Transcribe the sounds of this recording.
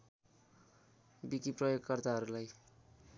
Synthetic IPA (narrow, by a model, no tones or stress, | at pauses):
bikiprʌjoɡkʌrt̪aɦʌɾulaj